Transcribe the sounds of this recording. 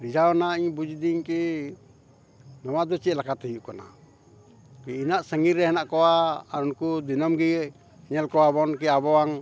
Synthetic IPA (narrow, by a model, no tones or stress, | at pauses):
ɾid͡ʒaɔnaiɲbud͡ʒd̪iɲki | nɔwad̪ɔt͡ʃit̪̚lakat̪əjuʔkana̰ | kɛinaʔsəŋiɾɛɦɛnaʔkɔwaaɾunkud̪inɔmɡiɡɛ | ɛɲɛlkɔwabɔnkɛabɔwaŋ